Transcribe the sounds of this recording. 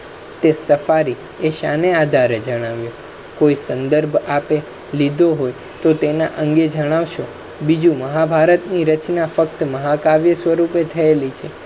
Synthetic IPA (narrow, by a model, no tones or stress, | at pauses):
t̪esəfaɾi | eʃanead̪ʱaɾed͡ʒəɽ̃aʋjõ | koisənd̪əɾbʱape | lid̪ʱoɦoj | t̪ot̪ena̰ʔə̃ŋɡed͡ʒəɽ̃aʋʃo | bid͡ʒũməɦabʱaɾət̪niɾət͡ʃnafək̚t̪məɦakaʋjəsʋəɾupet̪ʰəelit͡ʃʰe